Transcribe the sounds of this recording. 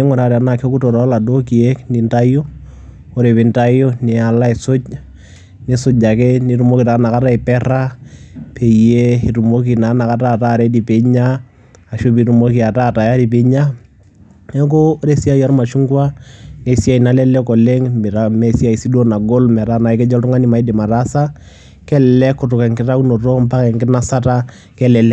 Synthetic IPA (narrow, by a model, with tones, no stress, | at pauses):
e˦ŋɔ˨ɾaɾa˨˦na˨ke˦ku˦tɔ˨ɾa˨˦la˨do˦ki˨e˦kni˨nta˦o˦ | o˦ɾe˨pɪ˨nta˦jɔ˦nɛ˨a˨la˦e˨so˦t͡ʃ | ne˦sʊ˦d͡ʒa˨kɛ˦ni˦ɾu˦mo˦ki˨ta˨˦na˨ka˦ta˦i˨pɛ˦ɾa˦pʰe˨je˦i˨tu˨mo˦k̬i˨na˨na˨ka˦ta˦˨ta˦˨ɾe˦di˨pe˨ɲa˦ | a˨ʃo˦p̬i˨ɾu˨mo˦ki˨a˨ta˦˨ta˨ja˦ɾi˨p̬e˨˦ɲa˦ | ɛ˦k̬o˦ɾe˦si˦a˦ja˦ɾma˨ʃu˦ŋɡwa˦ne˨si˦a˦i˨na˦lɛ˦lɛ˦kɔ˨le˦ŋmbɛ˨ɾa˨˦me˨si˦a˨i˨si˦do˦na˨ɡo˦lmɛ˨ɾa˦na˨i˦kɛ˦d͡ʒɔ˦ltʊ˦ŋa˦ni˨ma˨i˦di˨ma˨ɾa˦sa˦ | kɛ˦lɛlɛ˦kːʊ˨tʊ˨kɛ˨ŋkɪ˦ta˦ku˦no˨to˦mpa˦kɛ˨ŋkɪ˦na˦sa˦ta˦ | kɛ˦lɛ˨lɛ˦